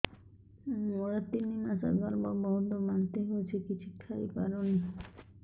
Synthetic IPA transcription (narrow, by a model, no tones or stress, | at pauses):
mɔɾat̪inimasa̰baɾbabɔɦd̪omant̪eɦoet͡ɕʰekit͡ɕʰukʰajpa̰ɾoni